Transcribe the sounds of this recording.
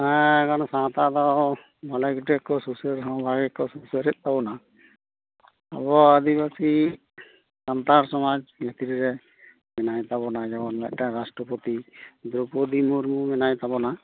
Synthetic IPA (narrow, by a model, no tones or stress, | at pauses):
akansãt̪ad̪ɔ | bʱalaɡuʈɛkːɔsusəɾɦɔbaɡɛkɔsusəɾɛt̪̚ˀt̪abɔna | a̰bɔəd̪ibasi | sant̪aɾsɔmad͡ʒmɛt̪iɾiɾɛ | mɛnajt̪abɔnad͡ʒɔɡɔnlaʔʈaɾasʈɾɔpɔt̪id̪ɾupɔd̪imuɾmumɛnajt̪abɔna